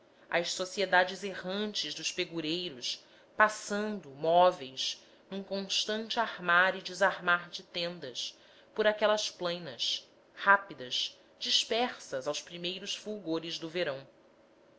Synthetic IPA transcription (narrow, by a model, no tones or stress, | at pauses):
ɐjʃsosied̪ad͡ʒɪzeɦɐ̃nt͡ʃɪzd̪ʊʃpeɡuɾejɾʊs | pasɐ̃nd̪ʊmɔvejz | nũkõʃt̪ɐ̃nt͡ʃɪahmaɾid͡ʒɪzaɾmaɾd͡ʒɪt̪ẽnd̪ɐs | pʊɾakɛlɐsplẽjnɐs | hapid̪ɐz | d͡ʒiʃpɛχsɐzawspɾimejɾʊsfuwɡoɾɪzd̪ʊveɾɐ̃w̃